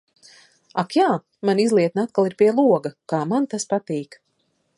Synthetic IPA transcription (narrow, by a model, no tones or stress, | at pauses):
akjaː | manizlˠiɛt̪nat̪̚kalˠiɾpʲiɛlˠuɔɡɐkaːmant̪aspat̪iːk